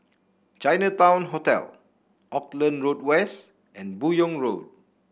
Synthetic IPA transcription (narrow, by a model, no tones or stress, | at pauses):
t͡ʃajnətãw̃nɦotɛ̰l | ʔɔklə̃nɹodwɛst | ɛ̃nbujɔ̃ŋɹod̚